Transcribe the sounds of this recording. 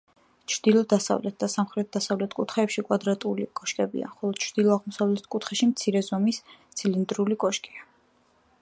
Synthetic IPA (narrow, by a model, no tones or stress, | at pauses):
t͡ʃʰɾd̪̥ilˠɔd̪asa̰vlɛt̪̚ʰd̪̥asamχɾɛt̪̚ʰd̪asavlɛt̪ʰkʼut̪ʰχɛːpʃikʼwad̪ɾat̪ʼulḭkʼɔʃkʼɛbḭa̰χɔlˠɔd̪̥̚t͡ʃʰɾd̪̥ilˠɔaʁmɔsavlɛt̪ʰkʼut̪ʰχɛʃimt̪sʰiɾɛzɔmist̪sʰilind̪ɾulikʼɔʃkʼia